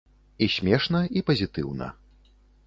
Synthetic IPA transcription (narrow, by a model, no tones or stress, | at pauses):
isʲmʲɛʂnɐipɐzʲit̪ɨwnɐ̰